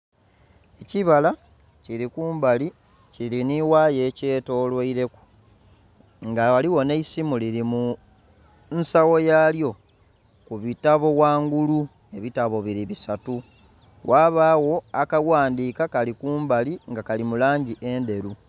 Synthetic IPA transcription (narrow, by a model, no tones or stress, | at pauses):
eciβala | ciɾikuːmbali | ciliniwajece̞ːto̞ːlwaiɾe̞ku̥ | ŋɡawaliwo̞ne̞isimuliɾimu | nsawo̞jaːljo̞ | kuβitaβo̞waːŋɡulu | e̞βitaβo̞βiɾiβisatu | wʔaːβaːwo̞akawaːndiːkakalikuːmbaliŋɡakalimulaːɲɟiʔe̞nde̞ɾu